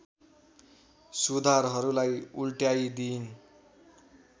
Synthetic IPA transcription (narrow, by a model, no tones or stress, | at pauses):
sud̪ʱaɾɦʌɾulajulʈjajd̪in